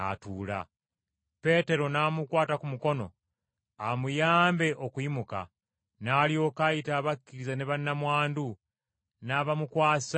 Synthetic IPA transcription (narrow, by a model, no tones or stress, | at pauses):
a̰tuːla̰ | pe̞ːte̞ɾo̞namukwaːtakumuko̞no̞̰ | amujaːmbe̞ʔokwimuka̰ | naːlio̞kajitaːβakːiɾizaneβanamwaːndu | naːβamukwḁːs